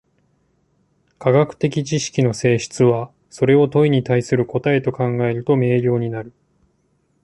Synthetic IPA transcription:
kʰaɡakɯ̟̥t̪e̞kʲit͡ɕiɕi̥kʲino̞se̞ːɕi̥t͡sɨβa | so̞ɾe̞o̞t̪o̞iɲ̟it̪aisɨɾɯ̟ko̞t̪ae̞t̪o̞kãŋɡae̞ɾɯ̟t̪o̞me̞ːɾʲjo̞ːɲ̟inaɾɯ̟

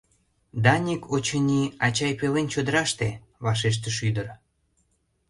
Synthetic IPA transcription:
d̪ɑnʲikʰot͡ɕənʲiɑt͡ɕɑjpelent͡ɕod̪əɾɑʃt̪e | βɑʃ̬eʃ̬t̪əʃyd̪ər

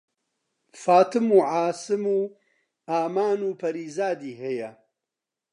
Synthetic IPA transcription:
faːt̪ɨmuːʕaːsɨmuː | aːmaːnuːpʰɐɾiːzaːd̪iːhɛjɐ

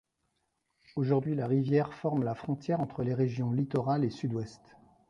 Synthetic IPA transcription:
oʒuʁd̪ɥilaʁivjɛʁfɔʁmlafχɔ̃t̪jɛʁɑ̃t̪χəleʁeʒjɔ̃lit̪ɔʁalesyd̪wɛst̪

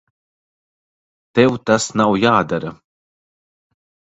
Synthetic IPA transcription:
t̪ɛwt̪asnawjaːd̪aɾɐ

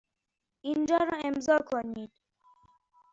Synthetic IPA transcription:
ind͡ʒɒːɾɒːemzɒːkʰoniːd̪̥̚

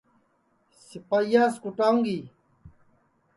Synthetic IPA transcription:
sipajaːskuʈaːũŋɡi

